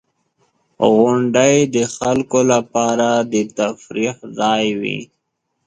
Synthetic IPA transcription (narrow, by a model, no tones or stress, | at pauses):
ɣʊɳɖajd̪əxalkolapɑːɾad̪ət̪afɾiqzɑːjwḭ